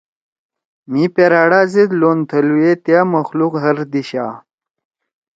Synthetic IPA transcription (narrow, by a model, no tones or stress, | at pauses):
mipeɾaːɽaːzid̪loːnt̪ʰɐluet̪jaməxluqɦɐɾd̪iɕaː